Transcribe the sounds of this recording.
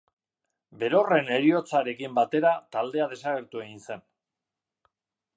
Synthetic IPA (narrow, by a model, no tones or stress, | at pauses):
be̞ɾo̞re̞ne̞ɾio̞t͡saɾe̞kimbat̪e̞ɾat̪ald̪e̞að̞e̞saɣe̞ɾt̪ue̞ɣinse̞n